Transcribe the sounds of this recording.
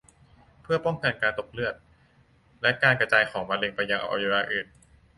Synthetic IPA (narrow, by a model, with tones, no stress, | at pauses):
pʰɯ˥˩ɐpɔ˥˩ŋka˧nkaː˧nt̪o˨˩k̚lɯ˥˩ət̪̚ | lɛ˦˥kaː˧nka˧t͡ɕaː˧jkʰɔː˩˦ŋma˧le˧ŋpa˧jːa˧ŋʔa̰˧˩ʔa̰˧ju˧ɾaː˧ʔɯː˨˩n̚